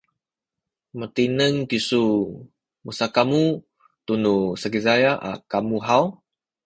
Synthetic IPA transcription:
mət̪inəŋt̪isu | musakamu | t̪unusaɡizajaʔa̰kamuɦaw

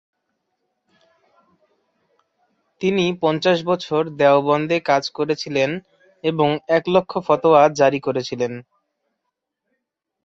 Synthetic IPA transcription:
t̪inipɔnt͡ɕaʃbɔt͡ɕʰoɾd̪ɛobɔnd̪ekad͡ʑkoɾet͡ɕʰilen | eboŋɛklokʰːofɔt̪oad͡ʑaɾikoɾet͡ɕʰilen

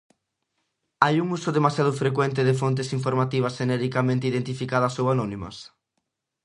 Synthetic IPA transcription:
ajuŋusʊðemasjaðʊfɾekwɛnt̪̬ɪðɪfont̪esiɱfoɾmat̪iβ̞ɐsʃenɛɾikamẽnt̪eiðent̪ifikað̞ɐsowanɔnimɐ̰s

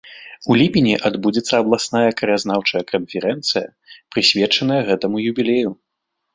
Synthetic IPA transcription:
ulʲipʲinʲiʔad̪bud͡zʲɛt̪sːɐːblˠasnajɐkɾɐjaznawt͡ʂɐjɐkɐnfʲɛɾɛnt̪sɨjɐ̰ | pɾɨsʲvʲɛt͡ʂɐnɐjɐɣɛt̪ɐmujubʲilʲeju

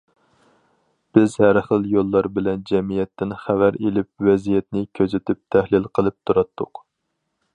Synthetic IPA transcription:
b̥ɪzhæɾχəlˠjolˠːɑɾbɪlɛnd͡ʒɛmijɛt̪ʰːɪnχævæɾelɪp̚wɛzijɛt̪nɪkʲʰøzɪt̪ʰyp̚t̪ʰæhlɪlqʰəlˠɨp̚t̪ʰuɾɑt̪ʰːʊq

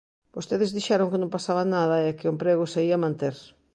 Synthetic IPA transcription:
b̥ost̪eðɪzðiʃaɾoŋkɪnõmpasaβanaðɐɛkɪʊmpɾeɣ̞osaiɐmãnt̪eɾ

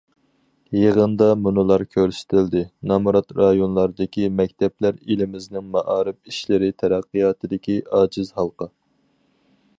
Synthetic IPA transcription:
jəʁənd̪ɑmunɨlˠɑɾkʲʰøɾsɪ̥t̪ʰɪld̪ɪnɑmuɾɑt̪ɾɑjonlˠɑɾd̪ɨkʲimɛk̚ʲt̪ʰɛplæɾelɪmɪznɪŋmɑʔɑːɾɨp̚iʃlɪɾɪt̪ʰɛɾæqːɨjɑːt̪ʰɨd̪ɪkʲiʔɑːd͡ʒɪzhɑlˠqɑ

